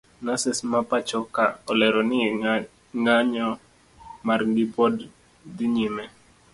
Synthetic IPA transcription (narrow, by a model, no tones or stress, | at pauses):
nasɪsmapat͡ʃɔkaɔlɛɾɔnɪɛ | ŋaɲɔ | marɡɪpɔd | dɪɲimɛ